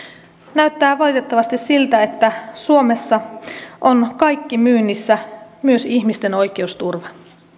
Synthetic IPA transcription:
næɥt̪ːæːʋɑlit̪e̞t̪ːɑʋɑst̪issilt̪æe̞t̪ːæsuo̞me̞sːɑʔo̞nkɑjkːimyːnːisːæmyø̞siçmist̪e̞no̞jk̟e̞ust̪urʋɑ

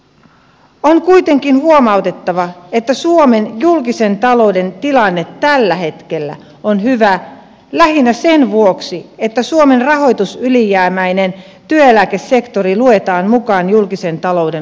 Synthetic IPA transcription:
oŋkujt̪e̞ŋkinhuomɑut̪e̞t̪ːɑʋɑet̪ːæsuome̞njulkise̞nt̪ɑlo̞ude̞nt̪ilɑnːet̪ːælːæɦe̞t̪ke̞lːæ̰ | onɦyʋæ | læhinːæsenʋuoksiet̪ːæsuome̞nrɑɦo̞jt̪usylijæːmæjne̞n | t̪yøelæke̞sːe̞kt̪o̞ɾilue̞t̪ɑːnmukɑːnjulkise̞nt̪ɑlo̞ude̞

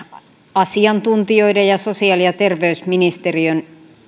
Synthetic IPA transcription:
ɑsiɑnt̪unt̪ioidejɑsosiɑliɑt̪erʋeysminist̪eriøn

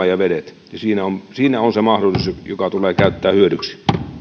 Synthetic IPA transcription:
ɑjɑʋedet̪ | jɑsiːnæonsiːnæonsemɑhdolˑisusjokɑt̪uleːkæˑyt̪ːæːhyødyksi̥

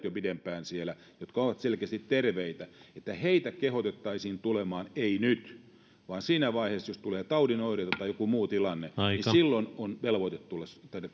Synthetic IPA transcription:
t̪jopidempæːnsielæ | jot̪kɑoʋɑt̪selkeæst̪it̪terʋeit̪æet̪ːæheit̪ækehot̪et̪ːɑisiːnt̪ulemɑːneinyt̪ | ʋɑːnsiːnæʋɑiheːsjost̪uleːt̪ɑudinoiret̪ɑt̪ɑijokumuːt̪ilɑnːenissilːononʋelʋoit̪et̪t̪ulːest̪ɑie

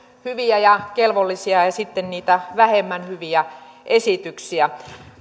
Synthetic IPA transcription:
hyʋiæjɑkelʋolːisiɑjɑsit̪ːenniːt̪æʋæhemːænhyʋiæ | ʔesit̪yksiæ

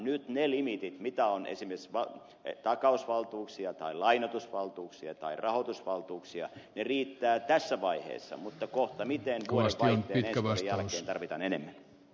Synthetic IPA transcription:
nyt̪nelimit̪it̪mit̪æonḛsimersʋɑ | t̪ɑkɑusʋɑlt̪uːksiɑt̪ɑilɑinot̪usʋɑlt̪uːksiɑt̪ɑirʔɑhot̪usʋɑlt̪uːksiɑ̰neriːt̪ːæːt̪æsːæʋɑihḛːsːɑ̰mut̪ːɑkoht̪ɑmit̪enʋuoispinːeːnensejæleːnt̪ɑrʋit̪ɑ̰nenḛmːæn

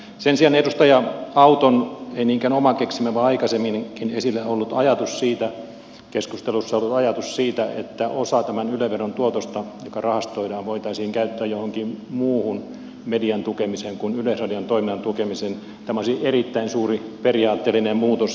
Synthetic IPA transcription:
sensiɑnedust̪ɑjɑɑut̪oneiniːŋkænomɑkeksimæʋɑɑikɑsemːinŋkinesilːæolːut̪ɑjɑt̪ussiːt̪æ | keskust̪elusːɑolːut̪ɑjɑt̪ussiːt̪æḛt̪ːæʔosɑt̪æmænyløʋeront̪uot̪ost̪ɑjokɑrɑhɑst̪oidɑːʋoit̪ɑisiːŋkæyt̪ːæːjohoŋkimmuːhun | mediɑnt̪ukemiseŋkunylesrɑdiɑnt̪oiminːɑnt̪ukemisen | t̪æmæosierit̪ːæinsuːriperiɑːt̪ːeːlːinemmuːt̪os

